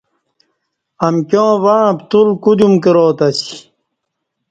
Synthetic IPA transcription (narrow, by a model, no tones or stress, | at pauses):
ɐmkjõːʋapt̪ulkud̪umkeɾoːt̪ɐsi̥